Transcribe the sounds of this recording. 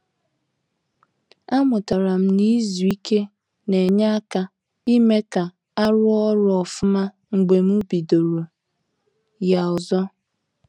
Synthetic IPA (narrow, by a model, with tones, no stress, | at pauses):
a˦mʊ˨ta˨ɾa˨m̩˦ni˦zu˨i˦ke˦ | ne˨ɲa˦a˦ka˦ | i˦me˦ka˨ | a˦ɾʊ˦ɔ˦ɾʊ˦ɔ˨fʊ˦ma˦ | ŋ͡m̩˨ɡ͡be˨m̩˦u˦bi˨do˨ɾo˨ | ja˨ɔ˨zɔ˦